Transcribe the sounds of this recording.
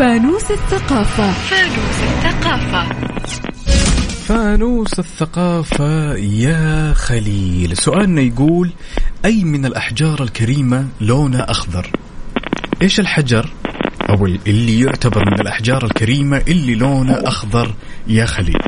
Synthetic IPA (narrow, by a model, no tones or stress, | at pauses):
faːnuːsaθːaqɑːfafaːnuːsaθːaqɑːfa | faːnuːsaθːaqɑːfajaxaliːlsʊʔaːlnajɡuːlʔajːmɪnalʔaħd͡ʒɑːɾˤalkaɾiːmaloːnaʔɑxd̪ˤɑɾˤ | ʔeːʃɪlħad͡ʒɑɾˤʔawɪʔɪlːijʊʕt̪abɑɾˤmɪnɪlʔaħd͡ʒɑːɾˤalkaɾiːmaʔɪlːiloːnaʔɑxðˤɑɾˤjaxalḭːl